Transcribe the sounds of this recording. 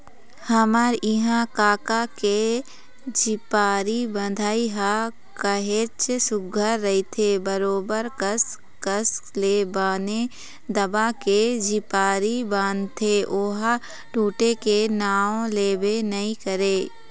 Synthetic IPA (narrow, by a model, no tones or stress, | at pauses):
hɐmaɾɪɦãkaːkake | d͡ʒɪpaːɾibə̃nd̪ʱaːiɦa | kəɦeːt͡ʃsʊɡʱəɾːɐit̪ʰebəɾoːbəɾkəs | kəskleːbaːne | d̪ɐbaked͡ʒipaːɾibãːnt̪ʰeʔoːɦa | ʈuːʈekenaːõleːbenɐĩkəɾeː